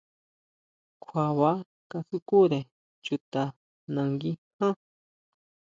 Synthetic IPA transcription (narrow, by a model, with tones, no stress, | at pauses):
kʷʰa˨βa˦ | ka˧su˦ku˦ɾe˨ | t͡ʃu˧t̪a˨ | nã˨ŋɡi˦hã˦